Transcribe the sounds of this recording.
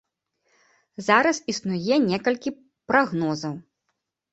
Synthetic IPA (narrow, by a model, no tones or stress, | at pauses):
zaɾɐsisnujɛnʲɛkɐlʲkʲi | pɾaɣnɔzɐw